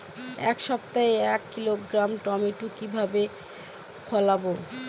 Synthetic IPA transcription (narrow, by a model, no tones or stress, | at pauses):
ɛkʃɔpt̪aeɛkːiloɡɾamʈɔmeʈukibʱabe | kʰolabo